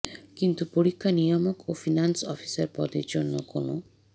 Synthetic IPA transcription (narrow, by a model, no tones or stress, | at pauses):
kint̪upoɾikʰːanijɔmokofinansɔfʰi̥saɾpɔ̰d̪eɾd͡ʑonːokono